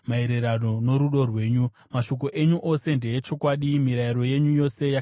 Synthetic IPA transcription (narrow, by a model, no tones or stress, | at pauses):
mae̞ɾe̞ɾano̞no̞ɾuɗo̞rwe̞ːɲu | maʃo̞k̬o̞ʔe̞ɲuʔo̞se̞nde̞jet͡ʃo̞kwaɗimiɾaiɾo̞je̞ɲujo̞se̞ja